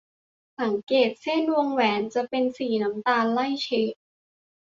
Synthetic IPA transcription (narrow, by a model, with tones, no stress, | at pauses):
sa˩˦ŋkeː˨˩t̪̚se˥˩nwu˧ŋwɛː˩˦˥nt͡ɕa˨˩pe˧nsiː˨˩na˦˥mt̪aː˧nla˥˩jt͡ɕʰe˦˥